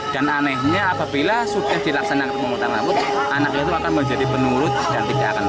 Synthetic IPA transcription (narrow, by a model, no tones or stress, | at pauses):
d̥ananɛhɲaːpabilasudahd̥ilaksanakant̪̚məŋut̪aŋlabʊt̪̚anak̚ɲat̪uakanməɲd͡ʒadipənuɾʊt̪̚d̥ant̪ida̰ka̰n